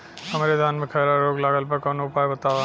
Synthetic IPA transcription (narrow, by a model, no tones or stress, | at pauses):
ɦɐmɾed̪ʱjaːnmẽkʰɐjɾaɾoːɡlaːɡəlpɐɾkɐːnoʊpaːjbɐt̪aːʋa